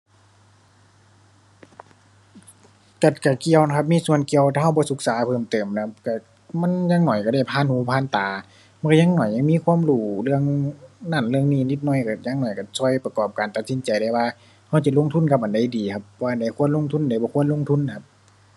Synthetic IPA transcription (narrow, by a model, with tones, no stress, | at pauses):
ka˧˩t̪̚ka˧˩ki˧˨ə˨wna˧˩kʰa˧p̚miː˧˥˨su˧˨ənki˧˨ə˨wt̪ʰaː˧ɦa˧˩wbɔː˧˦su˧˥k̚saː˨˦pʰɤː˧˩˨mt̪ɤː˨˩mna˧a˧p̚ka˧˩ | ma˧˥˨nɲaː˧˥˨ŋnɔː˧˨˩jka˧˩da˧˩jpʰaː˧˥˨nhuː˧˩˦pʰaː˧˨nt̪aː˨ | ma˧˨ka˧ɲa˧˥˨ŋnɔː˧˩jɲa˧˨ŋmiː˧˥˨kʰu˧˥˨mɾuː˧˩lɯ˧əŋna˧˩˨nlɯ˧əŋniː˧˨ni˧t̪̚nɔ˧˩jka˧˩ɲaː˧˥˨ŋnɔː˧˩jka˧˩sɔː˧˩jpa˧kɔː˨˩p̚kaː˨nt̪a˧t̪̚si˧˦nt͡ɕa˨jda˧˩jwaː˧ | ha˧˩wt͡ɕa˧˩lo˧˥˨ŋt̪ʰu˧˥˨nka˧p̚ʔa˨nda˧˩jdiː˨kʰa˧˥p̚aː˧˨nda˧˩jkʰu˧˥ə˨nlo˧˨ŋt̪ʰu˧˥˨nda˧˩jbɔː˧˦kʰu˧˥ə˨nlo˧˥ŋt̪ʰu˧˥˨nːa˧˩kʰa˧p̚